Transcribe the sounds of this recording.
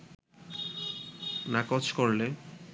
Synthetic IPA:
nakot͡ɕʰkoɾle

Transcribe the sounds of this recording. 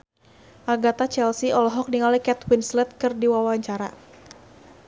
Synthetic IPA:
ʔaɡat̪at͡ʃɛlsiɔlɔɦɔk̚niŋalikɛt̪winslɛt̪̚kɨrdiwawaɲt͡ʃaɾa̰

